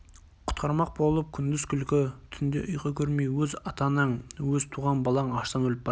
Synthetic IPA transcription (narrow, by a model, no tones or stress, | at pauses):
qʰʊ̥t̪qʰɑɾmɑq̚bo̞lˠəp̚kʲʰʏnd̪ɪzkʲʰʏlkʲɪt̪ʰʏnd̪ḛʔʊjqɑkʲʰɵɾmejwɵzɑt̪ɑnəɴwɵzt̪ʰuʁɑnbɑlˠɑɴɑʃt̪ɑnwɵlɪp̚bɑ